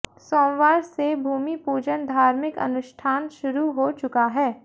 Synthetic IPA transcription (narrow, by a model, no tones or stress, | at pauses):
soːmʋaːɾsebʱuːmipuːd͡ʒənd̪ʱaːɾmɪkɐ̰nʊʃʈʰaːnʃʊɾuɦot͡ʃʊkaɦɛː